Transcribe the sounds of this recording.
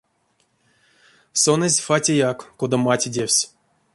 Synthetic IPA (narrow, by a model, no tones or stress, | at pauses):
sonəzʲfatʲejakːod̪amatʲidʲewsʲ